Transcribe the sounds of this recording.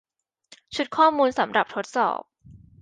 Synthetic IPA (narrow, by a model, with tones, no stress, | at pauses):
t͡ɕʰu˨˩t̪̚kʰɔː˥˩muː˧nsa˩˦mɾa˨˩p̚t̪ʰo˦˥t̪̚sɔ̰ː˨˩p̚